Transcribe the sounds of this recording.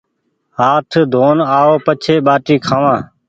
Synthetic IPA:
ɦaːʈʰd̪ʱoːnaːoːpət͡ʃʰeːɓaːʈiːkʰãːʋãː

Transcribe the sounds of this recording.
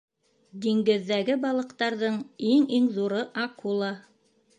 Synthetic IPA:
d̪iŋɡɘ̆ðːæɡɘbɑlˠɤ̆qt̪ɑɾðɤɴiŋiŋðuɾɤʔɑqulˠɑ

